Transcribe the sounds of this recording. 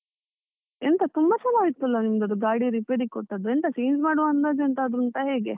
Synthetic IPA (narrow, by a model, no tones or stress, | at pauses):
ent̪ɐt̪umbɐt͡ʃɐnaːjit̪ːuɐlːɐnimɐd̪ɐd̪uɡaːɽiɾipeɾikoʈːɐd̪ːuent̪ɐsijnd͡ʒmaːɽuʋaːnd̪ad̪ent̪ɐːd̪ɾunt̪ɐɦeːɡe̞